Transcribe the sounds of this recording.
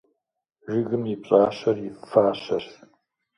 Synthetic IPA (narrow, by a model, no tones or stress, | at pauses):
ʒɪɣɨmjɪpɕʼaːɕɐrjɪfaːɕɐr